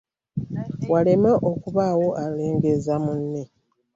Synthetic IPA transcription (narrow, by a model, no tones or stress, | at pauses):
wale̞meʔokuβaːwoʔaleːŋɡezamunːe